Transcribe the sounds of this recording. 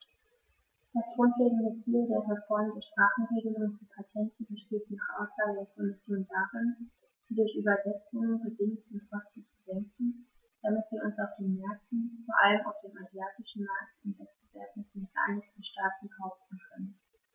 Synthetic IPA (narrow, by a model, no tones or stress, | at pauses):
d̥asɡ̥ʁʊntleːɡŋ̩dət͡siːldeːɐʁɛfɔɐmədʃpʁ̥aːχn̩ʁeːɡəlʊŋənfiːpʰatʰɛntʰəbəʃteːt̚d̥iːaʊsaːldeːɐkʰɔmɪsjoːndaʁɪn | d̥iːdʊɐçʔyːbɐzɛt͡sʊŋənbədɪŋʊtkʰɔst̩t͡sudɛŋkŋ̩ | d̥amɪtv̥iːɐʔʊnsaʊfd̥eːnmɛɐk̚tn̩foːɐʔaləma̰ʊfd̥eːmazjaːtɪʃn̩maːk̚tʊntv̥ɛssəv̥eɐdn̩ffa̰nɪçtəʃtaːt̚n̩haʊbtn̩kʰœnən